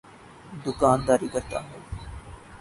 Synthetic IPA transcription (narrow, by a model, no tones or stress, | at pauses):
d̪ʊkaːnd̪aːɾikɐɾt̪a̰ːɦɛː